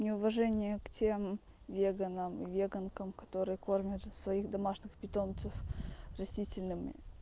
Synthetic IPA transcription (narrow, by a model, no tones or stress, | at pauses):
nʲɪʊvɐʐɛnʲɪjəktʲem | vʲeɡənəmḭvʲeɡənkəmkɐ̥t̪o̞ɾɨjəko̞rmʲət̪svɐixd̪ɐmaʂnʲɪxpʲɪt̪o̞mt̪sɨfrɐsʲtʲitʲɪlʲnɨmʲɪ̰